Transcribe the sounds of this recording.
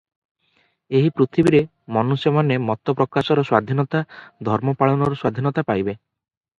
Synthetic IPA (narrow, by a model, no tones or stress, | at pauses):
eɦipɾut̪ʰibiɾe | mɔnusemanemɔt̪ːɔpɾɔkasɔɾɔswad̪ʱinɔt̪ad̪ʱɔɾmɔpaɭɔnɔɾɔswad̪ʱinɔt̪apajbe